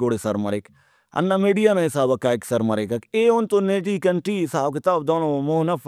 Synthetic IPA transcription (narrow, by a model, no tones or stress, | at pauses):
oːɽesɐɾmɐɾek | ɐ̰nːameːɖijanãɪsaːbɐkaksɐɾmɐɾekɐkeːʊnt̪õːned͡ʒiːkɐɳʈɾiːsaːbkɪt̪aːbd̪ɔːnõmoːnɐf